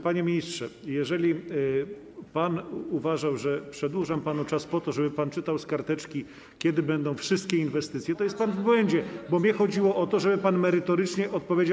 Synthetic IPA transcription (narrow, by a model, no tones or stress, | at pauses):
paɲɛmʲiɲistʂɛjɛʐɛlʲi | panuvaʐawʐɛpʂɛd̪wuʐampanut͡ʂaspɔt̪ɔʐɛbɘpant͡ʂɘt̪awskaɾt̪ɛt͡ʂkʲi | kʲɛd̪ɘbɛnd̪ɔ̃w̃fʂɘst̪̚kʲɛinvɛst̪ɘt̪sʲjɛt̪ɔjɛst̪̚panvbwɛɲd͡ʑɛbɔmʲɲɛxɔd͡ʑiwɔʔɔt̪ɔʐɛbɘpanmɛɾɘt̪ɔɾɘt͡ʂɲɛʔɔt̪̚pɔvʲjed͡ʑa